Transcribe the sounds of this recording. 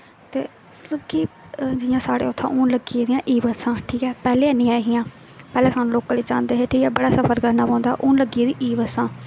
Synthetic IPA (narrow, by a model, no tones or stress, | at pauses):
t̪ḛː | lokiː | d͡ʒɪjãːsaːɽḛːʊt̪ʰːã̰ːʔʊ̃ːnləɡieːd̪ɪjãːʔiːʋəsãːʈʰiːkɛːpɛːleːnɪ̃ːaːɦɪjãː | pɛːlɛ̃ːsaːnũːloːkãːliːt͡ʃã̰ːnd̪eːɦeːʈʰiːkɛːbəɽaːsəpʰəɾkəɾnaːpãːnd̪aːʔʊnləɡieːd̪ĩːʔiːʋəsãː